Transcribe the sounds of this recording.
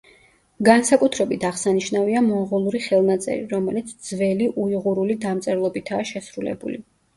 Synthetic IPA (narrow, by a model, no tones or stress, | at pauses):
ɡansakʼut̪ʰɾɛbit̪ʰaʁsaniʃnaviamɔʁulˠuɾiχɛlˠnat̪sʼɛ̰ɾḭɾɔmɛlit̪sʰd̪zvɛliʔuiʁuɾulid̪amt̪sʼɛɾlˠɔbit̪ʰaːʃɛsɾulɛ̰bṵli